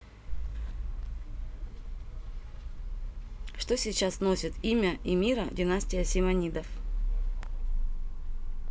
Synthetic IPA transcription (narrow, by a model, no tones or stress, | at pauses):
ʂt̪osʲit͡ɕasno̞sʲɪt̪imʲəʔimʲiɾədʲɪnasʲtʲɪjəsʲɪmɐnʲid̪əf